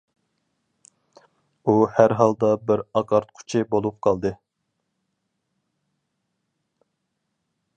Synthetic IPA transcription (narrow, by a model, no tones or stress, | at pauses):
uhæɾɦɑlˠd̪ɑbɪɾɑqɑɾt̪̚qʰʊ̥t͡ʃʰɪbolˠup̚qʰɑlˠd̪ɨ